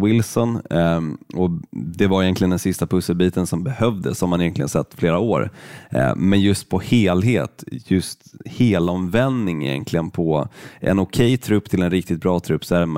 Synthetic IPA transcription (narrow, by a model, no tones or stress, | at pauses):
wɪlsɔn | ɔd̪ɛvaɾjɛnklɪənd̪ɛnsɪst̪apʰɵsːəlbiːt̪ənsɔmbɛhœvd̪ə̰sɔamanjɛnk̪lɪɡə̰nsɛ̰t̪ːfleːɾaoːɾ̰ | mɛnjɵst̪̚pʰɔheːlɦeːt̪jɵst̪heːlɔmvɛnd̪nɪŋɪ̰jɛ̰nkʰlɪɡənpʰɔʔɛ̰nʊkʰɛjːt̪ʰɾɵpːt̪ʰɪlɛnɾɪk̚t̪ɪt̪̚bɾɑːt̪ʰɾɵpːsæɾm